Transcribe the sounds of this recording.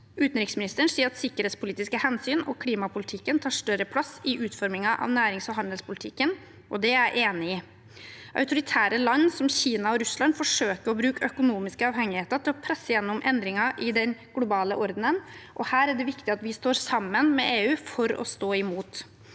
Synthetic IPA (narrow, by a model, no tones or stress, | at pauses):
ʉːt̪nɾɪksmɪnɪst̪əɳsiːəɾɑt̪sɪkːəɾheːt̪spʊliːt̪ɪskəhɛnsyːnɔkʰliːmɑpʰʊlɪt̪ʰɪkːənt̪ʰɑːʂt̪œɾəpʰlɑsːɪʔʉːt̪fɔɾmɪŋɑʔɑ̰ʋnæːɾɪŋsɔɦɑnd̪əlspʰʊlɪt̪ʰɪkːən | ʔɔd̪ɛæɾʔeːnɪɪ | ʔœ̰ʉt̪ʊɾɪt̪ʰæːɾəlɑnːsɔmçiːnɑɔɾʉslɑnd̪fɔʂøːkəɾɔbɾʉːkəœkʊnuːmɪskəɑːʋhɛŋːɪheːt̪əɾt̪ʰɪlɔpʰɾɛsːəjɛnːʊmʔɛnd̪ɾɪŋɑʔɪd̪ɛnɡ̥lʊbɑːlə̰ʔɔɾd̪n̩ənʔɔhæːɾæɖɛʋɪkt̪ɪɑt̪ʋɪst̪oːɾsɑmːənmɛ̰ʔeːʉːfɔɾɔ̰st̪oːɪmuːt̪